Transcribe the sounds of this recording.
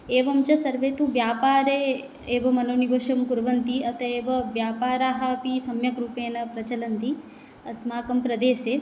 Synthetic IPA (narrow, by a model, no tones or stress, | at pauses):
eːʋɐmt͡ʃɐsɐɾʋeːt̪uʋjaːpaːɾe | eːʋɐmɐnoːniʋoʃɐmkuɾʋɐnt̪iɐt̪ʰɐeːʋɐʋjaːpaːɾaːɦapisɐmjɐkɾuːpeːnɐpɾɐt͡ʃɐlɐnt̪i | ɐ̰smaːkɐmpɾɐd̪eːseː